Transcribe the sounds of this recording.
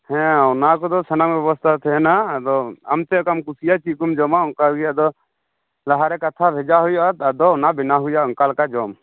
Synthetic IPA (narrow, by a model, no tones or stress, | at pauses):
hɛ̃ɔnakɔd̪ɔsənaŋbɛbɔst̪ʰat̪ʰɛɛnad̪ɔa̰mt̪ɛɔkamkusijat͡ʃikumd͡ʒɔmaɔŋkaɦujad̪ɔ | laɦaɾɛkat̪ʰabʱɛd͡ʒaɦujɔat̪ad̪ɔɔnabɛnaɦujaɔŋkalkad͡ʒɔm